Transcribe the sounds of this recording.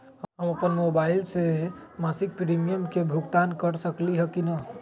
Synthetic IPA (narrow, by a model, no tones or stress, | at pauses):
ɦəɦəməpənmobaɪlsemasik̚pɾimijəmkebʱuɡt̪ankəɾsəkliɦəkinə